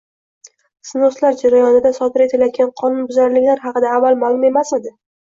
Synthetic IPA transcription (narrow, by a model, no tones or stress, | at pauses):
sɪnoslaɾd͡ʒaɾajɒnɪd̪asɒd̪ɪɾe̞t̪ʰɪljad̪̚ʲanqʰɒnʊnbʊzaɾɪlɪkʲlaɾɦɑqɨd̪aːvːalˠmalˠʊme̞mased̪ɪ